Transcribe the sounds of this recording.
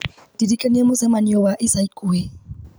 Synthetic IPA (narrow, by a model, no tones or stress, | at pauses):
d̥idikʼaniamʊzamaniɔwaʔisaikʼuɛ